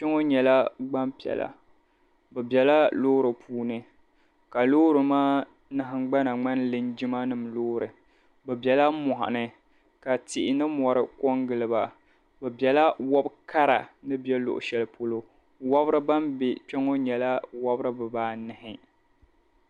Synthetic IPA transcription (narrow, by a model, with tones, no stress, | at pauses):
t͡ʃɛ˦ŋo˦ɲɛ˨la˦ɡ͡ba˦mpi˨ɛ̰˨la̰˨ | bɛ˨bɛ˨la˦loː˦ɾɨ˨pʰuː˦nɨ˨ | ka˨loː˦ɾɨ˨maː˦ | nɨ˨ɦɪ˦ŋɡ͡ba˦na˨ŋ͡ma˦nlɨ˦nd͡ʒi˦ma˦nɨ˨mloː˦ɾɨ˨ | bɛ˨bjɛ˨la˦mʊ˨ha̰˨nɨ˨ | ka˨tɪ˨ʔɪ˨nɨ˦mɔ˨ɾɨ˦kɔ˦ŋɡɨ˨lɨ˨ba˨ | bɛ˨bjɛ˨la˦wɔ˦bka˦ɾa̰˨nɨ˦bjɛ˦lʊ̰˨ʔʊ̰˨ʃɛ˦lpo˦lo˦ | wa˦bɾɨ˦ba˦mbɪ˨t͡ʃɛ˦ŋo˦ɲɛ˨la˦wa˦bɨ˦ɾɨ˦bɨ˨baː˦nɨ˨hɪ˨